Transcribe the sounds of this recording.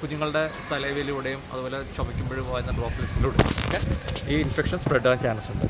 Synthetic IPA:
kuɲːuŋːɐɭɨɽe̞sɐlɐjʋelijuɽejumɐ̰ðuboːle̞t͡ɕobɐkʲːumbeɻuʋɐʋaːjɾunːɐbɭoːpːlesiluɽɨkːeiːinfekʂɐnspreɖːɐːnt͡ɕaːnɐsuɳɖɨ

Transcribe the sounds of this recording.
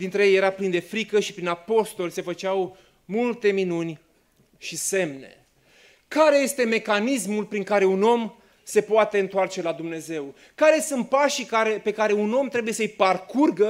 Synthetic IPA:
d̪int̪ɾejejeɾaplind̪e̞fɾikəʃipɾinapo̞st̪o̞lʲse̞fət͡ʃaw | mult̪e̞minunʲ | ʃise̞mne̞̰ | kaɾe̞je̞st̪e̞me̞kanismulpɾiŋkaɾe̞uno̞m | se̞poat̪e̞ɨnt̪oart͡ʃe̞lad̪umne̞ze̞w | kaɾe̞sunt̪̚paʃikaɾe̞pe̞kaɾe̞uno̞mt̪ɾe̞buje̞səjparkurɡə

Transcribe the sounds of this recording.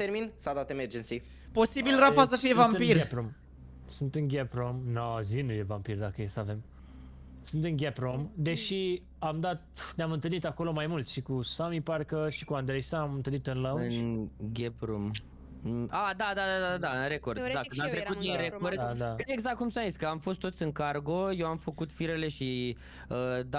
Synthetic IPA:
t̪eɾminsad̪at̪emerd͡ʒensi | po̞sibilɾafasəfijevampirɡepɾom | sɨnt̪ɨŋɡʲepɾomnazinujevampird̪akəjesəave̞m | sɨnt̪ɨŋɡʲepɾomd̪e̞ʃi | amd̪at̪̚neamɨnt̪ɨlnit̪ako̞lo̞majmult̪ʃikusamiparkəʃikuand̪ɾe̞jsaamɨnt̪ɨlnit̪ɨnlaɨnɡʲepɾom | ad̪ad̪ad̪ad̪ad̪ad̪aɨnɾeko̞rd̪akkɨnamt̪ɾekut̪̚d̪inɾekord̪d̪d̪aeɡzakt̪̚kumsamzit̪sʲkəamfo̞st̪ːot̪sʲɨŋkarɡoje̞wamfəkut̪fiɾele̞ʃi | əd̪a

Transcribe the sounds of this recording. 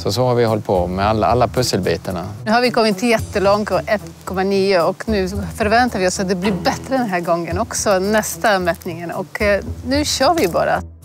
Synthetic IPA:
sɔsɔhaɾvɪhɔlt̪̚pʰɔmɛalːa̰a̰lːapʰɵsəlbiːt̪əɳa̰nʉːhaɾʋɪkʰɔmːɪt̪jɛt̪ːəlɔŋt̪ɔʔɛt̪kʰɔmːaniːəɔknʉːfœɾvɛnt̪aɾʋɪɔsat̪̚d̪ɛblɪɾbɛt̪ɾəd̪ɛnɦæːɾɡɔŋːənɔksɔnɛst̪amɛt̪nɪŋənɔ̰knʉ̟ːɕøːɾʋɪbɑ̰ːɾa̰t̪

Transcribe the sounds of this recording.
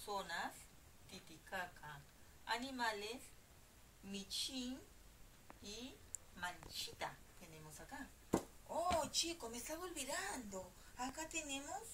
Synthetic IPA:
sonas | t̪it̪ikakʰa | a̰nimales | mit͡ʃin | i | manʃit̪at̪enemosaka | ot͡ʃikomest͡ɬaβolβiɾand̪o | akat̪enemos

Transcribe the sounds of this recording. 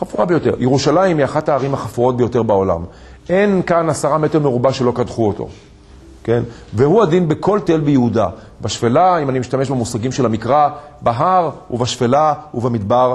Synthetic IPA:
χafuʁabejo̞te̞ʁjeʁuʃalaimiaχataːʁimhaχafuʁo̞t̪̚bejo̞te̞ʁbaola̰m | e̞nkanasaʁamete̞ʁmeʁubaʃe̞lo̞kadχuot̪o̞̰ | ke̞nvehuadinbekʰo̞ltelbejeuda | baʃfelaimanimiʃtame̞ʃbemusaɡimʃelamikʁabaɦaʁuvaʃfelauvemid̪baʁ

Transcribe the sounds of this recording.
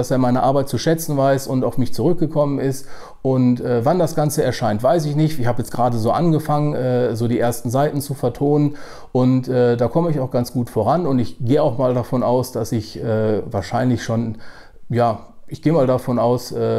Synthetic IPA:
d̥aseːɐmaɪnɐʔaɐbaɪt̚t͡suʃɛt͡sn̩vaɪsʊntaʊfmɪçt͡suʁʏk̚ɡ̥əkʰɔmənɪst | ʔʊntʔɛːvandasɡ̥ant͡səɛɐʃaɪntv̥aɪs̬ɪçnɪçtɪçhaːbəjɛt͡stɡ̥ʁaːdəzoːʔanɡəfaŋənʔɛːzoːdiːʔeːɐstn̩zaɪtn̩t͡sufɛɐtʰoːnən | ʔʊntʔɛːdaːkʰɔməɪçaʊxɡ̥ant͡sɡ̥uːtfoːʁ̞anʊntɪçɡ̥eːəaʊxmaːldafɔnʔaʊsd̥asɪçʔɛːvaːɐʃaɪnlɪçʃoːn | jaː | ʔɪçɡ̥eːəmaːldafɔnaʊsʔɛː

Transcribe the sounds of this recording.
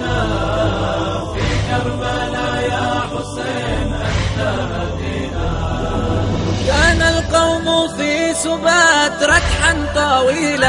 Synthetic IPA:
fiːkaɾmanajaːħʊsajnʔaħt̪amad̪iːna | kaːnalqɑwmʊfiːsʊbaːt̪ɾˤɑkʕat̪ˤɑwiːla

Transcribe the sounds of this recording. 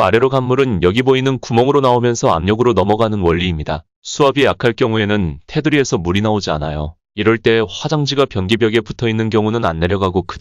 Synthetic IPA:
aɾe̞ɾoɡamːuɾɯnjʌɡiboinɯnkumʌŋɯɾonaomjʌnsʰʌa̰mɲʌɡɯɾonʌmʌɡanɯnwʌʎːiːmɲida | sʰuabijakʰaɭk͈jʌŋue̞nɯntʰe̞dɯɾie̞sʰʌmuɾinaod͡ʑia̰najo | iɾʌɭt͈e̞ːɸwad͡ʑaŋd͡ʑiɡapjʌnɡibjʌɡe̞putʰʌinːɯnkjʌŋunɯna̰nːe̞ɾjʌɡaɡokʰɯ

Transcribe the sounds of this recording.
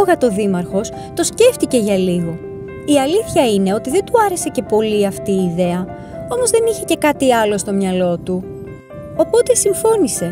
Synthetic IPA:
ɣɐt̪o̞ðimɐɾxo̞s | t̪o̞sce̞ft̪ice̞ʝɐliɣo̞ | iɐliθçɐine̞o̞t̪iðe̞nd̪uɐɾe̞se̞ce̞po̞liɐft̪iːðe̞ɐ | o̞mo̞zðe̞niçe̞ce̞kɐt̪iɐlo̞st̪o̞mɲɐlo̞t̪u | o̞po̞t̪e̞siɱfo̞nise̞

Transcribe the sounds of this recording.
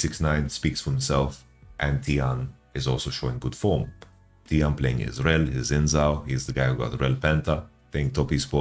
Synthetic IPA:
sɪksnãɪ̃nspiːksfɔhɪ̃msɛlf | ʔɛ̃nt̪ʰiãn | ɪzɔːlˠsoʊʃoːɪ̃nɡʊd̥fɔːm | t̪ʰiãnpleɪ̃ŋɪ̰zɹɛlhizɪ̃nzaʊhizðəɡaɪhuɡɔ̰t̪ɾɛlpɛ̃nt̪əpleɪ̃ŋt̪ɔpispɔ

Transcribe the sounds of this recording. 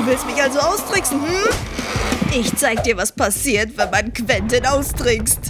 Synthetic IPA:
uːvɪlstmɪçʔalzoaʊsd̥ʁ̥ɪksn̩hm̩ | ʔɪçt͡saɪɡədiːɐvaspasiːɐtv̥ɛnmankv̥ɛntənaʊsd̥ʁɪkst

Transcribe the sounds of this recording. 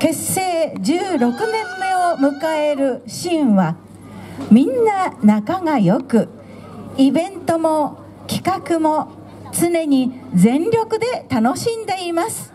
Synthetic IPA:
ke̞sːe̞ːd͡ʑɨːɾo̞kɯ̟nẽ̞mːe̞omɯ̟kae̞ɾɯ̟ɕĩɰ̃βa | mʲĩnːanakaŋajo̞kɯ̟ | ibẽ̞nt̪o̞mo̞ | kʲi̥kakɯ̟mo̞ | t͡sɨne̞ɲ̟id͡zẽ̞nɾʲo̞kɯ̟d̪e̞t̪ano̞ɕĩnd̪e̞imasɨ̥

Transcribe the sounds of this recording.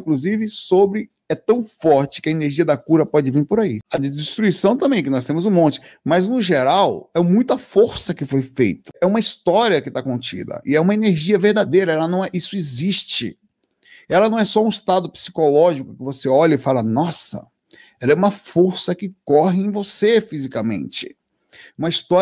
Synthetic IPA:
ĩkluzivɪsobɾɪ | ɛt̪ɐ̃w̃fɔɾt͡ʃɪ̥kɪɐeneɾʒiɐd̪ɐkuɾɐpɔd͡ʒɪvĩɾpoɾaiɐd͡ʒɪdɪst̪ɾuisɐ̃w̃t̪ɐ̃bẽj̃ɛkɪnɔst̪ẽmʊzʊ̃mõt͡ʃɪ̥mɐznʊʒeɾawɛmũj̃t̪ʊɐfoɾsɐkɪfojfejt̪ɐ̥ɛũmɐist̪ɔɾiɐkɪt̪akõnt͡ʃḭd̪ɐ̰ʔɪɛũmɐeneɾʒiɐveɾd̪ad̪ejɾɐɛlɐnɐ̃w̃ɛʔisʊezist͡ʃɪ̰ | ɛlɐnɐ̃w̃ɛsɔũist̪ad̪ʊpsi̥kolɔʒikʊkɪvoseɔʎɐɪfalɐnɔsɐ̰ | ɛlɐɛũmɐfoɾsɐkɪkɔɦɪẽj̃vosefizikɐmḛ̃nt͡ʃɪ̰ | ũmɐist̪ɔ

